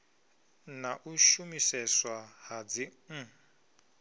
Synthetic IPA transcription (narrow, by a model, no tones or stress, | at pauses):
naʔuʃumisɛswahad͡ziŋ̩